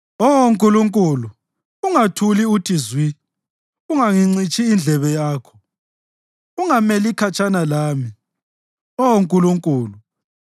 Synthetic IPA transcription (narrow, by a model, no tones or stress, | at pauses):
ɔwoŋkʼuluŋkʼulu | uŋatʰuliutʰizwi | uŋaŋiŋ͡ǀit͡ʃʼiːnd͡ɮʱɛβɛjaːkʰɔ̥ | uŋamelikʰat͡ʃʼanalaːmi | ɔwoŋkʼuluŋkʼuːlu